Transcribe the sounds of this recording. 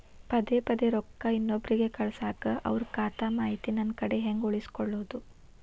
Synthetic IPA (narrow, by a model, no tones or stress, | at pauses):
pɐd̪epɐd̪eɾɔkːɐinːobɾiɡe̞kɐɭsaːkɐʔɐ̰ʋɾukaːt̪amaːɦit̪inɐnkɐɽe̞ɦeŋɡuɭisi̥kɔɭːoːd̪u